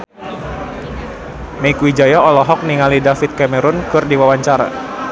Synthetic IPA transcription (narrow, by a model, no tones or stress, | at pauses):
meikuwid͡ʒajaɔlɔɦɔk̚niŋalidafit̪̚kamɛɾʊnkɨrdiwawaɲt͡ʃaɾa̰